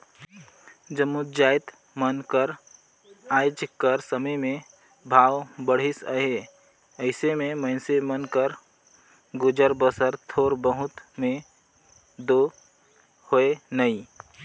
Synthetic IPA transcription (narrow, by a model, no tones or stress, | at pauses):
d͡ʒəmud͡ʒaːɪt̪ | mənkəɾ | aːjd͡ʒkəɾsəməjmẽ | bʱaːwbəɽ̤ɪsə̰ɦe | əɪsemẽməɪnsemənkəɾ | ɡʊd͡ʒəɾbəsəɾt̪ʰoːɾbəɦʊt̪mẽ | d̪o | hoenəĩ